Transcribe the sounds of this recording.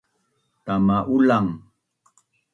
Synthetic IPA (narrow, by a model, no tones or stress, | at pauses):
t̪amaʔulaŋ